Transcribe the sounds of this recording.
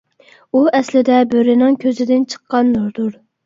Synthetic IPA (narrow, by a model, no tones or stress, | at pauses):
uʔɛslɪd̪ɛbøɾɪnɪŋkʲʰøzɪd̪ɪnt͡ʃʰə̥qːɑnːoɾd̪ʊɾ